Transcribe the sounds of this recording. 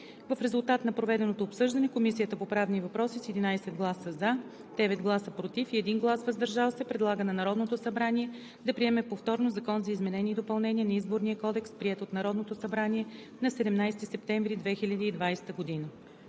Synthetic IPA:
vəfɾɛzulˠt̪at̪nɐpɾovɛd̪ɛnot̪oːpsɤʒd̪ɐnɛkomisijət̪əpopɾavnivɐpɾɔsisɛd̪inajsɛd̪̚ɡlˠasəza | d̪̥ɛvɛt̪ɡlˠasəpɾot̪ifiɛd̪inɡlˠasvəzd̪ɐɾʒalˠsɛpɾɛd̪lˠaɡənɐnɐɾɔd̪not̪osɐbɾanʲiɛ | d̪ɐpɾiɛmɛpoft̪ɔɾnozɐkɔnzɐizmɛnɛnʲiːd̪opɐlˠnɛniɛnɐizboɾniəkɔd̪ɛkspɾiɛt̪ot̪nɐɾɔd̪not̪osɐbɾaniɛ | nɐsɛd̪ɛmnajst̪isɛpt̪ɛɱvɾid̪vɛxilʲəd̪iːd̪vajst̪əɡod̪inə

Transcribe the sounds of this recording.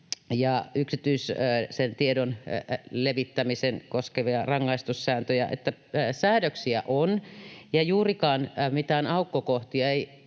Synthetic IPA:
jɑyksit̪yissent̪iedonleʋit̪ːæmisenkoskeʋiɑrɑŋːɑist̪ussæːnt̪øjæ̰ʔḛt̪ːæsæːɾøksiæ̰ʔonjɑjuːrikɑːnmit̪æonɑukːokoht̪iɑei

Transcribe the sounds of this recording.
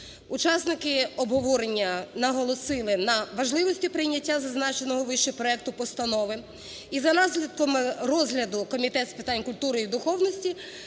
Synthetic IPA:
ut͡ʃɑsnɪkɪɔbɦɔʋɔɾenʲːɐnɐɦɔlˠɔsɪlˠɪnɐʋɐʒlˠɪʋɔsʲtʲipɾɪjnʲɐtʲːazɐznɑt͡ʃenɔɦɔʋɪʃt͡ʃɪpɾɔɛk̚t̪ʊpɔst̪ɐnɔʋɪ | izɐnɑzlʲɐd̪̚kɔmɪrɔzɦlʲɐd̪ʊkɔmʲit̪ɛt̪spɪt̪anʲkʊlʲt̪uɾɪjid̪ʊxɔwnɔsʲtʲi

